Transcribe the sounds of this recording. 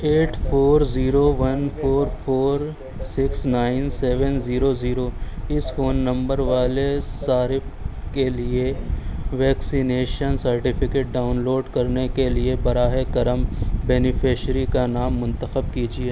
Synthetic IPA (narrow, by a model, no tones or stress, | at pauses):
eːʈfʰoːɾziːɾoʋɐnpʰoːɾpʰoːɾ | sɪksnaːɪnseːʋənziːɾoziːɾoɪsfoːnːɐ̃mbəɾʋaːlesaːɾɪfkelieʋɛːksineːʃənsɐɾʈɪfʰɪkeːʈ̚ɖaːʊnloːɖkɐɾnekeliebɐɾaːɦekɐɾəmbɛːnɪfeːʃɾikanaːmːʊ̃nt̪əxəb̚kid͡ʒieː